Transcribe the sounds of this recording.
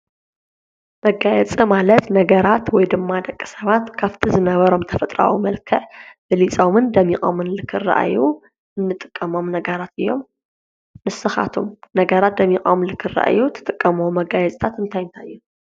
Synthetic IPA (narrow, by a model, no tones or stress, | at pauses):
mɐɡajɛt͡sʼɨmalɐt̪nɐɡɐɾat̪wɔjd̪ɨmːad̪ɐkʼːi̥sɐβat̪kʰaβt̪ʰizɨnɐβɐɾo̞mt̪ʰɐfɐt̪ʼɾa̰wumɐlkʰɨʕbɨlit͡sʼomɨnd̪ɐmːikʼo̰mɨnlɨkʰɨrːa̰ʔa̰ju | ɨnːɨt̪ʼɨ̥kʼːɐmo̞mnɐɡɐɾat̪ɨjːo̞̰mː | ɨsɨxa̰t̪ʰomnɐɡɐɾat̪̚d̪ɐmːikʼɐmɨnlɨkʰɨrːa̰ʔjut̪ʰɐ̥t̪ʼɨkʼːɐmuwmɐɡajɛt͡sʼt̪ʰat̪ɨnt̪ʰajɨnt̪ʰajːu